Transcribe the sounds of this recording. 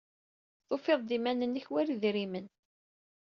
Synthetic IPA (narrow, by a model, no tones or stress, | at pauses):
θofeðˤd̪imænənːiçwæɾiðɾimən